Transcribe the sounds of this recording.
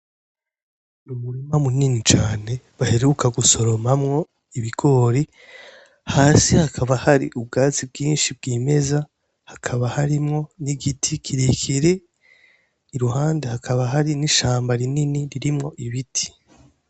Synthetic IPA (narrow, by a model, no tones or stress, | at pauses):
numuɾimamuninit͡ʃaːne̞ | βaheɾukʰaɡuso̞ɾo̞mamŋo̞ | iβiɡ̥o̞ːɾi | haːsihakʰaβahaɾḭʔub̚ɡaːt͡sib̚ɡiːnʃibɡiːme̞za | hakʰaβahaɾimŋo̞niɡitʰikʰiɾikʰiɾe | iɾuɦaːndehakʰaβaɦaɾiniʃaːmbaɾininiɾiɾimŋo̞ʔiβitʰi̥